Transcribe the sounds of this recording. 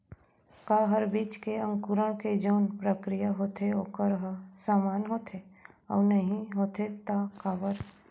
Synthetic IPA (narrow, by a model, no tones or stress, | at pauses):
kaːɦəɾbiːt͡ʃkeɐ̃ŋkʊɾəɽ̃ked͡ʒoːnpɾəkɾijaɦoːt̪ʰeoːkəɾɦəsaːmaːnɦoːt̪ʰe | ɔ̰ːnɐɦĩɦoːt̪ʰet̪akaːʋəɾ